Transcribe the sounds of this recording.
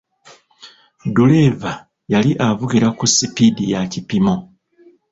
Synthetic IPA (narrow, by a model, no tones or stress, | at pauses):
dule̞va | jaliʔavuɡiɾakusipidijacipimo